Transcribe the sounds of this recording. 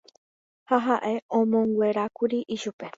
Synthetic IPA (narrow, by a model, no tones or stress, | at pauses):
haɦaʔe̞õmõŋɡʷe̞ɾakuɾiʔiʃupe̞